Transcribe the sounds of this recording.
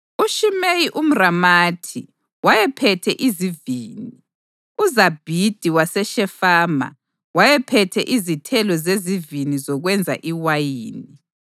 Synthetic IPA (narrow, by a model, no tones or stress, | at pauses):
uʃimejiʔum̩ramaːtʰḭ | wajɛpʰɛtʰɛʔiziviːni | uzab̥ʱid̥ʱiwasɛʃɛfaːma̰ | wajɛpʰɛtʰɛʔizitʰɛlɔzezivinizɔɣwɛnd͡zʱa̰ʔiwajiːni